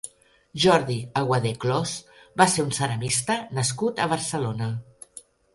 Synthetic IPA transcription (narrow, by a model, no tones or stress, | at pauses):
ʒɔɾðiəɣwəðeklɔszbaseɾunsənəmist̪ənəskut̪əβ̞əɾsəlonə